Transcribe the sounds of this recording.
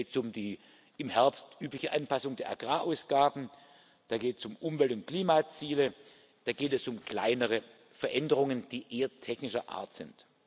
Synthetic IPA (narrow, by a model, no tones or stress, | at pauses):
tsʊmdiː | ʔɪmhɛɐpstʔyːplɪçəʔanpasʊŋdeːɐʔa̰ɡ̥ʁaːʔaʊsɡ̥aːbm̩ | d̥aːɡeːtsʊmʔʊmvɛltʊnt̚kl̥iːmat͡siːlə | d̥aːɡeːtɛsʊmkl̥a̰ɪnəʁə | fɛɐʔɛndəʁ̞ʊŋənd̥iːʔeːɐtʰɛçnɪʃɐʔa̰ːɐtz̥ɪnt